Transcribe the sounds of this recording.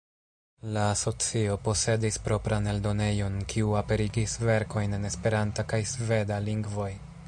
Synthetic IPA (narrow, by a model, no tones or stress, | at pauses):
laːso̞t͡sio̞po̞se̞dispɾo̞pɾane̞ldo̞ne̞jo̞nkʰiuape̞ɾiɡisve̞ɾko̞jne̞ne̞spe̞ɾantakajsve̞daliŋɡvo̞j